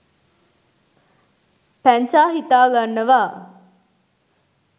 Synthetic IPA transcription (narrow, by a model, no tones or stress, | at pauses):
pæɲt͡ʃaːɦit̪aːɡanːəʋaː